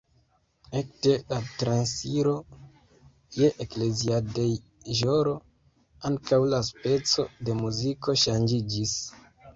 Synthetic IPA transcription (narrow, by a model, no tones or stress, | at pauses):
ek̚te̞latɾansiɾo̞ | je̞ʔekle̞ziadej | ʒoɾo̞ | aŋkawlaspe̞t͡so̞de̞muziko̞ʃand͡ʒid͡ʒis